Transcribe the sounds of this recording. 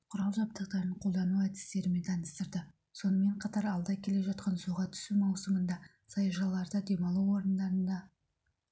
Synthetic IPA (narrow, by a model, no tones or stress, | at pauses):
qʰʊɾɑlˠʒɑp̚t̪əq̚t̪ɑɾəɴqʰo̞lˠd̪ɑnuæt̪ɪ̥st̪e̞ɾɪme̞nt̪ʰɑnəst̪əɾd̪ə | so̞nəme̞ɴqʰɑt̪ɑɾɑlˠd̪ɑkʲʰe̞le̞ʒɑt̪̚qɑnsuʁɑt̪ʰʏ̥sumɑwsəmənd̪ɑ | sɑjʒɑlˠːɑɾd̪əd̪e̞mɑlˠuwo̞ɾənd̪ɑɾənd̪ɑ